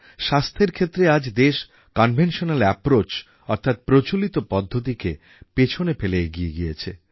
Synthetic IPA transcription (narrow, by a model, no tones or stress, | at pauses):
ʃast̪ʰeɾkʰet̪ːɾead͡ʑd̪eʃ | kɔnbʱenʃonalɛpɾot͡ɕ | ɔɾt̪ʰat̪̚pɾot͡ɕolit̪opɔd̪ʱːot̪̬ike | pet͡ɕʰonefeleeɡieɡijet͡ɕʰḛ